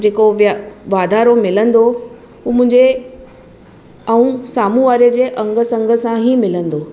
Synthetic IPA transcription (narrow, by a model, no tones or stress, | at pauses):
d͡ʑeːkoʋʋaːd̪ʱaːɾomɪlə̃nd̪o | uːmʊ̃ɦɪ̃ɲd͡ʑe | ɐũsaːmũʋaːɾəd͡ʑeːʔɐ̃ŋɡə̆sɐ̃ŋɡʱə̆sãɦimɪlə̃nd̪oː